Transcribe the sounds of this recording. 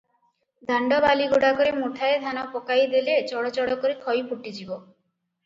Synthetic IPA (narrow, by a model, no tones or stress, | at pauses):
d̪ʱaɳɖɔbaliɡoɽakɔɾemuʈʰaed̪ʱanɔpɔkajd̪elet͡ʃɔɽɔt͡ʃɔɽɔkɔɾet̪ʰɔjpʰuʈid͡ʒibɔ